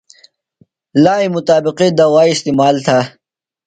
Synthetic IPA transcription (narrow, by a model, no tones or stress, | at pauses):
laːimʊt̪aːbɪqid̪ɐwaːist̪imaːlt̪ʰa